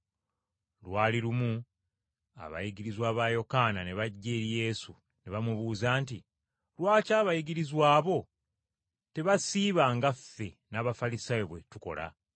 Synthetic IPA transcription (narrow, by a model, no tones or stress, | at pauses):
lwaːliɾumu | a̰βa̰jiɡiɾizwaːβaːjo̞kaːnane̞βaɟːe̞ːɾije̞ːsu | ne̞βamuβuːzaːnt̬i | lwaːcaːβajiɡiɾizwaːβo̞ | te̞βasiːβaːŋɡafːe̞ | naːβafalisajiβwe̞tuko̞̰la̰